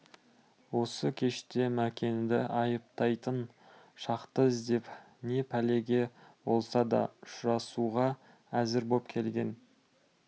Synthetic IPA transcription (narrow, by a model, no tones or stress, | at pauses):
wo̞səkʲʰe̞ʃt̪e̞mækʲʰe̞nd̪ɪʔɑjəp̚t̪ɑjt̪ən | ʃɑqt̪əzd̪e̞p | ne̞pʰæle̞ɡʲe̞bo̞lˠsɑd̪ɑ̰ʊʃʊɾɑsuʁɑ | æzɪɾbo̞pkʲʰe̞lɡʲe̞n